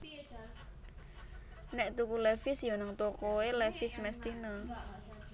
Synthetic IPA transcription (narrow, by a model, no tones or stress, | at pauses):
nɛʔt̪ukulɛfɪsjonəŋt̪okoelɛfɪsmɛst̪inə